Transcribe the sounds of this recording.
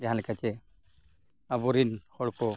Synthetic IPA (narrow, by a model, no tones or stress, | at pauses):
d͡ʒaɦãlɛkat͡ʃɛ | abɔɾinhɔɽkɔ